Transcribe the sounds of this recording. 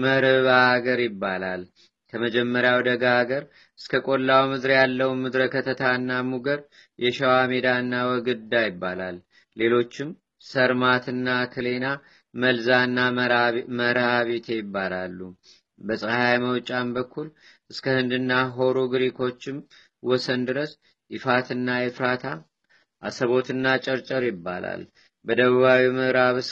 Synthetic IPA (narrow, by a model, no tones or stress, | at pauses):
məɾɨβaaɡəɾjɪbːalal | kʰəməd͡ʒɛmːəɾjawd̪əɡaːɡəɾ | ʔɨskʰəkʼo̞lːawmɨd̪ɾjalːəwmɨd̪ɾəkʰət̪ʰət̪ʰaɨnːamuɡəɾ | jɛʃawamed̪aɨnːawɔɡɨd̪ːajɪbːalalː | e̞lo̞t͡ʃːɪm | səɾmat̪ɨnːakʰɨle̞na | məlzaɨnːaməɾaβet̪ʰejɪbːalalːu | bəsʼəhajməwt͡ʃʼambəkʰːul | ʔɨskʰəhɨnd̪ɨnːaɦo̞ɾuɡɨɾikʰo̞t͡ʃːɪm | wɔsənd̪ɨɾəs | ʔɪfat̪ɨnːajɛfɾat̪ʰa | ʔasəβo̞t̪ɨnːat͡ʃʼəɾt͡ʃʼəɾjɪbːa̰la̰l | bəd̪əβəβawimɨɾaβɨs